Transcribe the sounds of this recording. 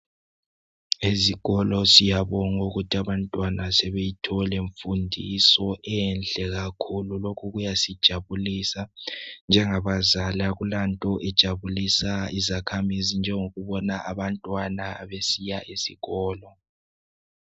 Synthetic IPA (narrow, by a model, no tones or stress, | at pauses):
eziɣɔlɔsijaβɔŋuɣutʰiaβantʼwanasɛβejitʰɔleɱfundʱisɔʔɛnd͡ɮʱɛɣakʰululokʰuɣujasid̥ʒ̥ʱaβulisand͡ʒʱɛŋaβazalaɣulantʼɔʔɛd̥ʒ̥ʱaβulisaizakʰamizind͡ʒʱɛŋoɣuβɔnaʔaβantʼwanaβesijaʔisiɣɔːlɔ